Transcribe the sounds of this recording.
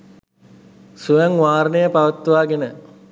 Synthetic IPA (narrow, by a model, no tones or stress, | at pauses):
sujæŋʋaːɾənejəpaʋət̪ːəʋaːɡenə